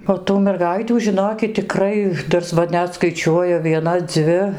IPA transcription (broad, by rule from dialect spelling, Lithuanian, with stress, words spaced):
oː tuː mʲɛrˈɡɐɪtʲuː ʒʲɪˈnoːkʲɪt tʲɪˈkrɐɪ ˈtɐs ˈʋɐ ˈnʲɛt skɐɪˈt͡ʃʲuɔjʊ ʋʲiɛˈnɐ ˈd͡zʲʋʲɪ